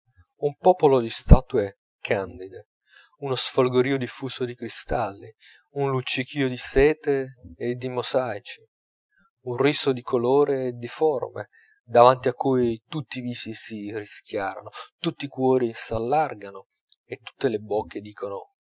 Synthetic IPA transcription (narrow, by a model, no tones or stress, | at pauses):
umpɔːpolod̪ist̪aːt̪ue | kʰand̪id̪e | unosfolɡoɾiːod̪ifuːsod̪ikɾist̪alːi | unlut͡ʃːik̟iːod̪isɛːt̪eːd̪ːimozajt͡ʃi̥ | unrisod̪ikʰoloːɾeːd̪iformḛ | d̪avant̪iakːujt̪ut̪ːiːviːsisirisk̟ja̰ːɾa̰not̪ut̪ːikwɔːɾisalːarɡano | et̪ːu̥t̪ːelebokːed̪iːkono